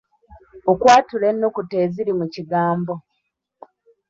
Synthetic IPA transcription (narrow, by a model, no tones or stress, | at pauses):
okwaːtule̞nːokute̞ːziɾimuciɡaːmbo